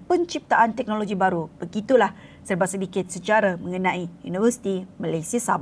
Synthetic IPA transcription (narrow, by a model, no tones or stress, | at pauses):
pənt͡ʃip̚t̪aʔant̪ɛk̚noloɡibaɾub̥əɡit̪ulah | sərbaʔsədikɪt̪̚sət͡ʃaɾamə̃ŋənãijunifərsi̥t̪imalajsiasaba